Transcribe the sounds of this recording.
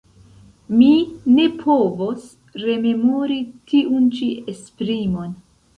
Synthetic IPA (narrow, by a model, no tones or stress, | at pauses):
mine̞pʰo̞vo̞s | ɾe̞me̞moɾitiunt͡ʃiespɾimo̞n